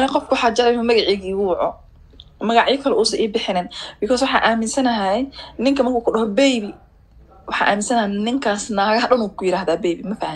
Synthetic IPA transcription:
nɐqɔfkʰʊwħɑːd͡ʒɐɾɛjmɐmɐɣɑʕɛːɣiːuːwɑʕɔ̰ | mɐɣɑʕjɪkʰɐlɛʔuːsɐnʔiːbɪħɪnɛːnbɪkʰɔːswɑħɑ̰ːʔaːmɪnsɐnɐɦɛnɪŋkʰɐmɐrkʰuːkʰʊɗɐɦɔbɛjβi | wɑħɑ̰ːʔa̰ːmɪnsɐnɐɦɛnɪŋkʰaːsnaːɣɐɦɐɗɐnuːkʰʊjɪɾaːhðaːbɛjbimɐfɐhɐ

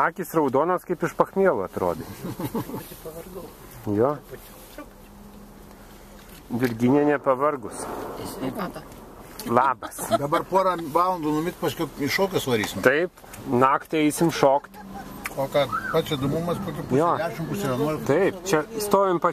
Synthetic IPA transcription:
ɑːkʲiːsrɐʊd̪oːnoːskɐɪpɪʃpɐxmʲiɛlˠʊɐt̪ɾo̰ːd̪ʲe | pɐʋɐrɡɐ | joː | d̪ʲɪɾʲɡʲɪnʲeːnʲɛpɐʋɐrɡʊs | lˠɑːbɐsd̪ɐbɐrpoɔɾɐʋɑːlˠɐnd̪ʊnʊmʲɪt̪ʲpɐsʲkʲʊɪʃoːkʲʊsʋɐɾʲiːsʲɪmt̪ɐɪp | nɑːkt̪ʲɛɪsʲɪmʃoːkt̪ʲkoːkɑpɑːt͡ʃʲɪd̪ʊmʊmɐspoːkʲɪpːjoːd̪ʲæːʃʲɪmpʊsʲɪʋʲɛnuɔjt̪ɐɪpt͡ʃʲɛst̪oːʋʲɪmpɐ

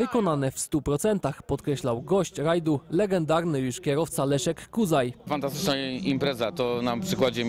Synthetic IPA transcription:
vɘkɔnanɛfst̪upɾɔt̪sɛnt̪axpɔt̪kɾɛɕlawɡɔɕt͡ɕɾajd̪ulɛɡɛnd̪aɾnɘjuʂkʲɛɾɔft̪salɛʂɛkːuzajfant̪ast̪ɘ̥t͡ʂnaimpɾɛzat̪ɔnapʂɘkwad͡ʑɛ

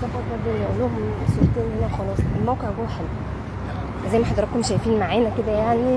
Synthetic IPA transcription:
t̪ɑfɑt̪ˤbɑd̪lːʔolːoːɦomsult̪ˤeːnhenæxɑlɑːsˤelmæwqeʕɡowħal | fæzæjmæħɑd̪ɾˤɑkːomʃæjfiːnmaʕeːnæked̪æjaʕni

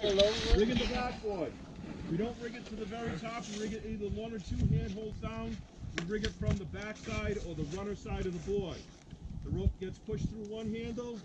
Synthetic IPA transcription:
ɛloɹɪ̃ɡɨ̃nðɨbæk̚b̥ɔɪ | wiɾõʊ̃nʔɹɪɡɨtʰɨðɨvɛɹitʰɑpwiɹɪɡɨɾiðə˞wʌ̃nə˞tʰuɦæ̃nd̚ɦoʊlˠdzdãʊ̃n | wiɹɪɡɨtfɹʌ̃mðəbæksaɪɾə˞ðəɹʌnə˞saɪɾʌvðəbɔɪ | ðəɹoʊp̚ɡ̥ɛtspʰʊʃθɹuwʌ̃nɦæ̃ndl̩ˠ

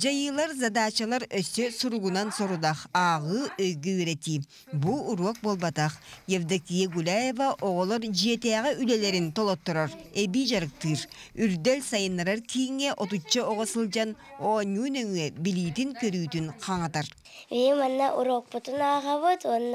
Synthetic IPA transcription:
d͡ʒɑjɯlˠɑɾzɑd̪ɑːt͡ʃɑlˠɑɾøsøsuɾuʁunɑnsoɾud̪ɑχɑʁɯøjɡyβeɾet̪i | buuɾok̚bolˠbɑt̪ɑχjevd̪akijaɡulʲaje̞vaʔoʁolˠoɾd͡ʒiet̪eɑʁɯʔylele̞ɾint̪o̞lˠot̪ːoɾoɾebiʒɑɾɯq̚t̪ɯɾyɾd̪elʲsɑjɯnːɑɾɑɾkʰijiŋeʔo̞t̪ut͡ʃːɑoʁosɯlˠd͡ʒɑnonʲunøŋebilʲiːt̪iŋkøɾyːt̪ynqʰɑɴɑt̪ɑɾ | vemanːaʔuɾok̚put̪unaːʁaβɯt̪on

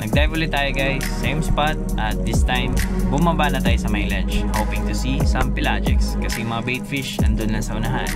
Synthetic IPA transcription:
nɐɡ̚d̪ɛvʊlɪt̪ːaːjoɡajːejmspat̪̚ | ɐt̪̚d̪ɪst̪ãjmbʊmabanɐt̪aːjosɐmajlɐnt͡ʃhowpɪ̃ŋt̪ʊsisɐmpɪlad͡ʒɛ̰kskɐsɛjʊŋmɐŋabejt̪fɪʃɐ̰nd̪ʊnlɐŋsɐʔʊnɐɦa̰n

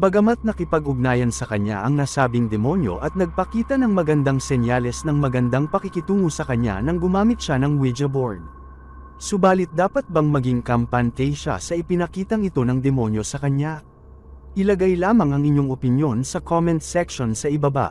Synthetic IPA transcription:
bɐɡɐmat̪̚nɐkɪpɐɡʊɡ̚naːjɐnsɐkɐɲa̰ʔɐŋnaːsaːbɪŋd̪ɛmo̞njo̞̰ʔɐt̪̚nɐɡ̚pɐkiːt̪ɐnɐŋmɐɡɐnd̪aŋsɛnjalɛsnɐŋmɐɡɐnd̪aŋpɐkɪkɪt̪uːŋusɐkɐɲːa̰nɐŋɡʊmaːmɪt̪̚ʃanɐŋwid͡ʒɐboɹd̪̚ | sʊbaːlɪt̪̚d̪aːpɐt̪̚bɐŋmɐɡiŋkɐmpɐnt̪ɛjʃa̰sɐʔɪpɪnɐkiːt̪ɐŋɪt̪o̞nɐŋd̪ɛmo̞njo̞sɐkɐɲːa | ʔɪlɐɡajlaːmɐŋɐŋɪɲːo̞ŋʔopɪnjo̞nsɐkʰomɛnt̪sɛkʃo̞nsɐʔɪbɐba̰ʔ

